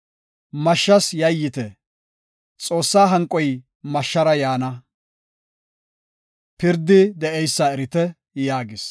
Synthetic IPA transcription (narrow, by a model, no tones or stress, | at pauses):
mɐʃːɐsjɐjːɪt̪ɛ | t͡sʼo̞ːsːaːɦɐŋkʼːɔj | mɐʃːɐɾɐjaːnɐ | pɪɾd̪ːɪd̪ɛʔɛjsːaɛɾɪt̪ɛ | jaːɡɪs